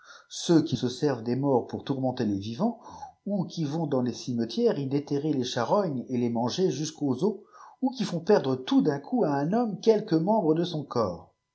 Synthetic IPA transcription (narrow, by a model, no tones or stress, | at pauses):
søkʲisəsɛʁvd̪emɔʁpuʁt̪uʁmɑ̃t̪elevivɑ̃ukʲivɔ̃d̪ɑ̃lesimət̪jɛʁid̪et̪eʁeleʃaʁɔɲelemɑ̃ʒeʒyskozoukʲifɔ̃pɛʁd̪ʁət̪ud̪ɛ̃kʰuaɛ̃nɔmkʲɛlkəmɑ̃bʁəd̪əsɔ̃kɔ̰ːʁ